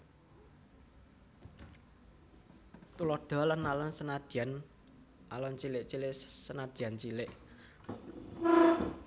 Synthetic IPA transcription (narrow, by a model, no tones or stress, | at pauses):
t̪ulɔd̪̥ɔ̤lənalɔnsənad̪̥ian | ʔalɔnt͡ʃilɪʔt͡ʃilɪʔsənad̪̥iant͡ʃilɪʔ